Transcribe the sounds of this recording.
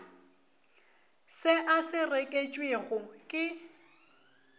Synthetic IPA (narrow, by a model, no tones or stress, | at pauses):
sɪʔasɪrekʼet͡ʃʼweɣʊkʼɪ